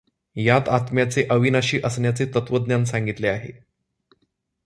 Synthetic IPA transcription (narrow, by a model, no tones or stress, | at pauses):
jat̪at̪mjat͡seʔəʋinaɕiːʔəsɳjat͡set̪ət̪ʋəd̪njansaŋɡit̪leaɦḛ